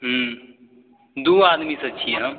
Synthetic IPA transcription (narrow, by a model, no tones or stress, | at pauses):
ɦ | d̪uːaːd̪misɐtːʃʰiɦãː